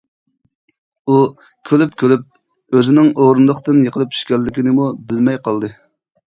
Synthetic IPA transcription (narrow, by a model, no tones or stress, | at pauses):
u | kʲʰølypkʲʰølyp̚ | øzɪnɪŋoɾund̪əχt̪ɨnjəqʰəlˠɨpi̥ʃkʲɛɾlːɪkʲinɪmubɪlmɛjqʰɑlˠd̪ɨ